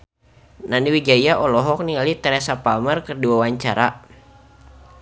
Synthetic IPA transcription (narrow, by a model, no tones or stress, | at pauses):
naniwid͡ʒajaʔɔlɔɦɔk̚nialit̪əɾɛsapamərkərduawaɲt͡ʃaɾa